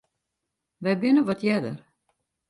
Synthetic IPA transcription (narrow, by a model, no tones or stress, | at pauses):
ʋɛjbɪnəʋɔtʰjɛdə̰r